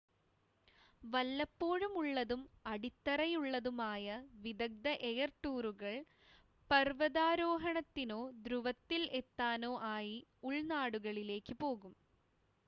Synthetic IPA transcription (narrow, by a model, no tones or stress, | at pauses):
ʋɐlːɐpːo̞ːɻumuɭːɐðumɐɽit̪ːɐrɐjuɭːɐðumaːjɐʋid̪ɐɡ̚d̪ɐʔejɐrʈːuːruɣɐɭ | pɐrʋɐðaːɾoːɦɐɳɐt̪ːino̞ːd̪ɾuʋɐt̪ːile̞t̪ːaːno̞ːʔaːjiuɭnaːɽuɣɐɭile̞ːkːɨpo̞ːɣum